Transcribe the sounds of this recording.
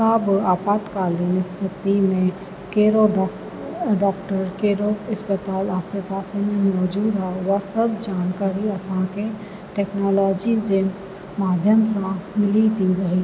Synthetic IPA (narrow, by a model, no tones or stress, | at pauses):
kaːbəaːpaːt̪kaːlinɪst̪ʰɪt̪imẽ | keːɾo | ɖɔːkʈəɾkeːɾoɪspət̪aːlaːsɪeɾpaːsemẽmɔːd͡ʒuːd̪ɦɛʋasəbd͡ʒaːnkaːɾiɐsãke | ʈɛːknɔːlɔːd͡ʒid͡ʒem | maːd̪ʱjəmsãmɪlit̪iɾɐɦi